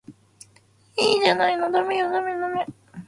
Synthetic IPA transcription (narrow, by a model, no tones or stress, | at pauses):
iːʑanainod̪amejod̪amed̪ame